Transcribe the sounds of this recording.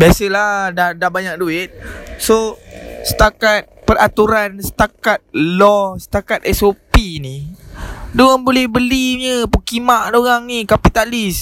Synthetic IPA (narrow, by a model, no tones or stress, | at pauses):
biasəlahdadahbaɲak̚duɪt̪̚sosə̥t̪akat̪̚pərʔat̪uɾansə̥t̪akat̪̚lɔsə̥t̪akat̪̚ɛsopini | doaŋbolɛhbəliɲəpukimaʔdoɣaŋnikapit̪alis